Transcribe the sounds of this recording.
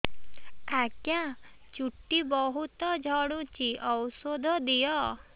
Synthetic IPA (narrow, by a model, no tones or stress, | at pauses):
akjã | t͡ʃuʈːibɔɦut̪ɔd͡ʒʱɔɽ̃ũt͡ʃiʔɔwsod̪ʱɔd̪ijɔ